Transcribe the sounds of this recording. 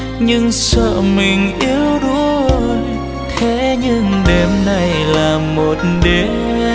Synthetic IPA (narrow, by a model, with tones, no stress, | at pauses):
ɲɨ˧ŋsə̰ː˧˨mï˨˩ŋ̟ʔi˨˦əwɗu˧˥˦zo˨˩j | xʰe˨˦ɲɨ˧ŋɗe˨˩mna˨˩jlaː˨˩mo˨˩t̚ɗe˨˦